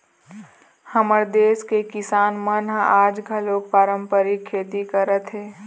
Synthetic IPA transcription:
həməɾd̪eːskekɪsaːnmənɦaːd͡ʒɡʱəloːk̚paːɾəmpəɾikʰːeːt̪ikəɾət̪ɦeː

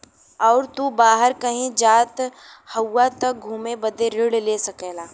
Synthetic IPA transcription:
ɔːɾt̪uːbaːɦəɾkɐɦĩd͡ʒaːt̪ | hɐwːat̪ɐk̚ɡʱuːmebəd̪eɾɪɽleːsɐkeːlaː

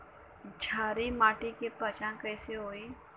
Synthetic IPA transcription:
d͡ʒʱaːɾimaːʈikepət͡ʃãkɛːseɦoːeː

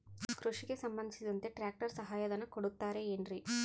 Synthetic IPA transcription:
kɾuʂiɡe̞sɐmbɐnd̪ʱisid̪ɐnt̪e̞ʈɾaːk̚ʈɐɾsɐɦaːjɐd̪ɐnɐkoɽut̪ːaːɾe̞ːɳɖɾi

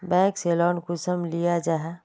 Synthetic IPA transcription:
bɛ̃ːkseːlɔːnkʊsəmlijad͡ʒaːɦɛ

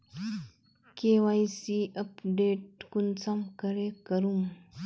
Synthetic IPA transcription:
kewajsiɐpɖeʈ̚kunt͡sɐmkɐɾekɐɾum

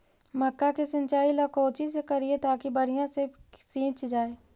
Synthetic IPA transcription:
məkːakisə̃nt͡ʃaːilɐkoːt͡ʃis̬ekɐɾiet̪aːkibɐɾijãsesĩːt͡ʃd͡ʒaːeː

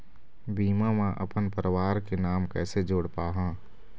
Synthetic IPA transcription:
biːmamãʔə̰pənpəɾəwaːɾkenaːmkɛːsed͡ʒoːɽpaːɦãː

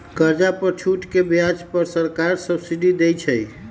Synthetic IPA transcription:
kəɾd͡ʒapət͡ʃʰuʈkebjad͡ʒpəɾsəɾkaɾsəbsiɖid̪ejt͡ʃʰəj

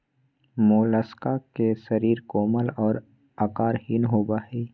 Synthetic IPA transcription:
moːləskakesɐɾiːɾkoːməlɔːɾ | akaːɾhiːnɦoːbaːheː

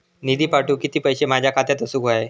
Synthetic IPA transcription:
nid̪ʱiːpaʈuːkit̪iːpəjɕemad͡ʑʱjakʰat̪jat̪əsuːɡoaj

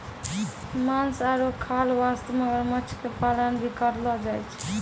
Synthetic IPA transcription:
mansaɾokʰalʋast̪məɡəɾmət͡ʃʰkepalənbikəɾlɔd͡ʒajt͡ʃʰ

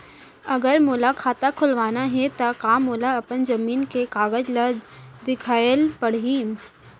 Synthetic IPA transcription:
ɐɡəɾmoːlakʰaːt̪akʰʊlʋaːnaɦɛt̪akaːmoːlaɐpənzɐmiːnkekaːɡəd͡ʒləd̪ɪkʰaːlpɐɽ̤ɦi

